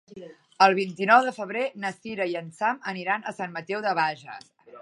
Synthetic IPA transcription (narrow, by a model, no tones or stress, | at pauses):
əlˠβ̞int̪inɔwðəfəβ̞ɾenəsiɾəiənsaməniɾanəsanmət̪ɛwðəβ̞aʒə̰